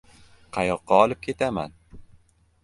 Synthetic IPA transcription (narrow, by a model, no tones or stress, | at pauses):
qʰɑjɒqːɑɒlˠɪp̚kʲʰe̞t̪ʰama̰n